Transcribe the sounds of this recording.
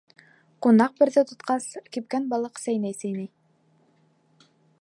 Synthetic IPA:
qunɑq̚bɘ̆ɾðɘt̪ŏt̪qɑskip̚kænbɑlˠɤqsæjnæjsæjnæj

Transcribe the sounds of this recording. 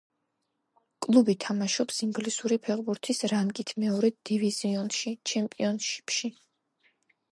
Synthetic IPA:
kʼlˠubit̪ʰamaʃɔpsiŋɡlisuɾipʰɛʁbuɾt̪ʰisɾankʼit̪ʰmɛɔɾɛd̪̥iviziɔnʃit͡ʃʰɛmpʼiɔnʃi̥pʰʃi

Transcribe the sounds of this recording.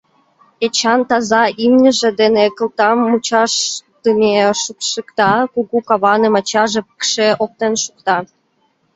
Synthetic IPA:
et͡ɕɑnt̪ɑzɑʔimnʲə̆ʒĕd̪enekəlˠt̪ɑmːut͡ɕɑʃt̪əmʲeʃukʃəkt̪ɑkuɣukɑβɑnə̆mɑt͡ɕɑʒepə̥kʃeʔok̚t̪enʃuk̚t̪ɑ

